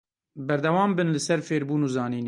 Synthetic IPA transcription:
bɛɾd̪ɛwɑːmbɨnlɨsɛɾfeːɾbuːnuːzɑːniːn

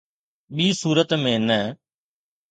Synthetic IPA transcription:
ɓiːsuːɾət̪mẽːnɛː

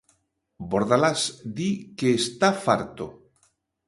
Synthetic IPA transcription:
boɾðalasd̪ikeːst̪afaɾt̪o

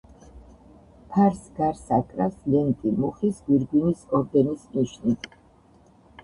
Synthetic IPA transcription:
pʰaɾsɡaɾsakʼɾaslɛnk̪ʼimuχisɡwiɾɡwinisɔɾd̪ɛnismiʃnit̪

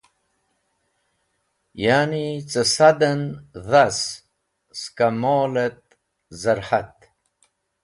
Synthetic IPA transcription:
jaːnit͡səsad̪ənðas | skamoːlet̪̚ | zaɾħat̪̚

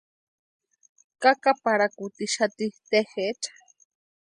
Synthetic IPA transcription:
kakapaɾakut̪iʃat̪it̪exet͡ʃḁ

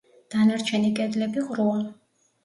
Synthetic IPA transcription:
d̪̥anaɾt͡ʃʰɛnikʼɛd̪lɛbiʁɾua

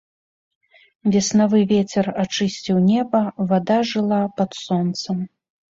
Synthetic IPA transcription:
vʲɛsnavɨvʲet͡sʲɛrat͡ʂɨsʲt͡sʲiwnʲɛbɐvad̪aʐɨlˠapɐt̪sɔnt̪sɐm

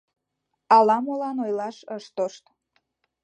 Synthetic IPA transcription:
ɑlɑmolɑnojlɑʃəʃt̪oʃt̪

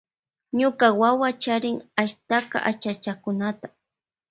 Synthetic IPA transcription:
ɲʊkawawat͡ʃaɾɪŋaʃt̪aqɑ̰ʔat͡ʃat͡ʃakʊnat̪ḁ

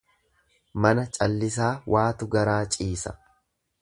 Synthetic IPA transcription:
mɐnɐt͡ʃʼɐlːɪs̬aːwʔaːt̪ʊɡɐɾaːt͡ʃʼiːsɐ̥̰

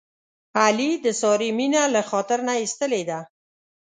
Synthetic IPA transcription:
alid̪əsɑɾiminalaxɔt̪ɪɾnaist̪əled̪a

